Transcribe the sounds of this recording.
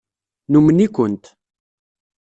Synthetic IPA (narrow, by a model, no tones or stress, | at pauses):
numənikʷənt̪